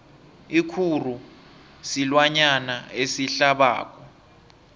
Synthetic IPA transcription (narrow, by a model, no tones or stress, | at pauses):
ikʰur̤u | silwaɲanaesiɬaɓa̰ːk̬ʼɔ